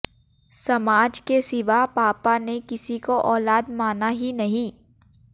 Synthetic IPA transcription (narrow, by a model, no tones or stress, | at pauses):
sɐmaːd͡ʒkesɪʋapaːpanekɪsikoʔɔːlaːd̪maːnaɦinɐɦĩ